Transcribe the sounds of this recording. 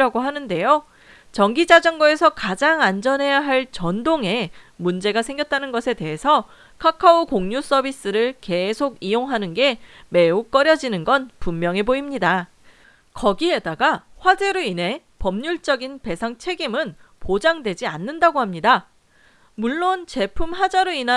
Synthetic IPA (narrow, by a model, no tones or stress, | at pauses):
ɾaɡoɦanɯnde̞jo | t͡ɕʌŋɡid͡ʑad͡ʑʌŋɡʌe̞sʰʌkad͡ʑaŋand͡ʑʌnɦe̞jaɦaɭt͡ɕʌndoŋe̞ | mund͡ʑe̞ɡasʰe̞ŋɡjʌt̚t͈anɯnɡʌsʰe̞de̞ɦesʰʌ | kʰakʰaokoŋɲus͈ʌbis͈ɯɾɯɭke̞sʰoɡijoŋɦanɯnɡe̞me̞uk͈ʌɾjʌd͡ʑinɯnɡʌnpumːjʌŋeboimɲida | kʌɡiɦe̞daɡaɸwad͡ʑe̞ɾoine̞ | pʌmɲuɭt͡ɕ͈ʌɡinpe̞sʰaŋt͡ɕʰe̞ɡimɯnpod͡ʑaŋdwe̞d͡ʑianːɯndaɡohamɲida | muɭːont͡ɕe̞pʰumɸad͡ʑaɾoina